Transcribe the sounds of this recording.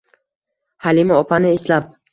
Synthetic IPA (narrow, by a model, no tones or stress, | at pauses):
halimaɒpʰanɪeslap̚